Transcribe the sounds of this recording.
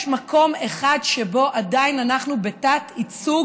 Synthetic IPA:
ʃmako̞me̞χadʃe̞bo̞ʔadainanaχnubetatit͡su

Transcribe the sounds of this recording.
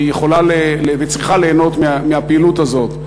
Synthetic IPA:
ijeχo̞lalelevet͡sʁiχale̞ːno̞t̪meameapeilut̪azo̞t̪

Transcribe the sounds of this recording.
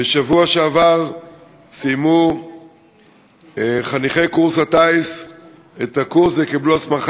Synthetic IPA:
beʃavuaʃeavaʁ | sijmu | χaniχe̞jkuʁshatais | et̪akuʁsvekibluasmaχ

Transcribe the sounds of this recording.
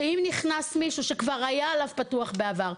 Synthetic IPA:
imniχnasmiʃuʃekvaʁajaːlavpatuaχbe̞avaʁ

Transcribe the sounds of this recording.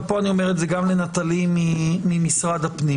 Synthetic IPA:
poanio̞meʁetzeɡamlenat̪alimiːimisʁad̪hapni

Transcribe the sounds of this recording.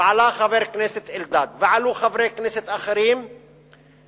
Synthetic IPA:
ʕalaːxabeɾkneːsɪt̪ʔɪld̪aːd̪vɪʕaluxavɾeːkneːsɪt̪ʔaxaɾiːm

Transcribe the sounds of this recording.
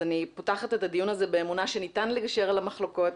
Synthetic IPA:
anipotaχatetadijunazebe̞emunaʃenitanleɡaʃe̞ʁalamaχlo̞ko̞t

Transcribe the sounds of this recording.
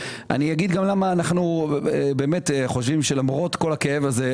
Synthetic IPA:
ʔa̰nijaɡid̪ɡamlamaːnaχnuebe̞ːmeteχo̞ʃ̬vimʃelamʁo̞t̪ko̞lakeevaze

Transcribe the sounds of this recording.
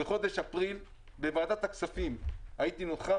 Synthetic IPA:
eχo̞d̪eʃapʁil | bevaːd̪at̪haksafimajit̪inolχa

